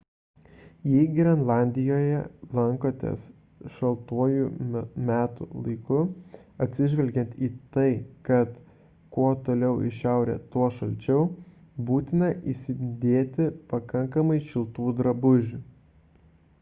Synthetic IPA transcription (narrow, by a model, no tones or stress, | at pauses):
jɛɡʲɪɾɐnlˠɑˑnʲd̪ʲɪjoːjɛlˠɐŋkoːt̪ʲḛs | ʃɐlˠt̪uɔjumʲæːt̪ṵlˠɐɪkʊɐt̪ʲsʲɪʒʲʋʲɛlʲɡʲɛnt̪iːt̪ɐɪkɐt̪ | koːt̪oːlʲɛʊʔɪ̰ʃʲɛˑʊɾʲḛːt̪uɔʃɐlʲt͡ʃʲɛʊ | buːt̪ʲɪnɐʔiːsʲɪd̪ʲeːt̪ʲɪpɐkɐŋkɐmɐɪʃʲɪlˠt̪uːd̪ɾɐbʊʒʲu